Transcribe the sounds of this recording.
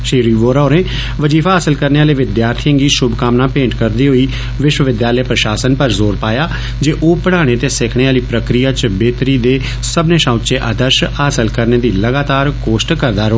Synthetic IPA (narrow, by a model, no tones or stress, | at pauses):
ʃiːɾiːʋoːɾaːɾẽː | ʋəd͡ʒiːfʰaːɦaːsəlkəɾneːaːleːʋɪd̪jaːɾt̪ʰiə̃ŋɡiːʃʊbkaːmnaːpẽːɳʈkəɾd̪iːɦoːiː | ʋɪʃwəʋɪd̪jaːləepɾəʃaːsənpəɾzoːɾpaːjaː | d͡ʒeːʔoːpəɽaːɽ̃eːt̪eːsɪkʰɽeːaːliːpɾəkɾijaːt͡ʃbeːt̪ɾiːd̪eː | səbneːʃãːʊt͡ʃeːʔaːd̪əɾʃɦaːsəlkəɾneːd̪iːləɡaːt̪aːɾkoːʃʈkəɾd̪aːɾo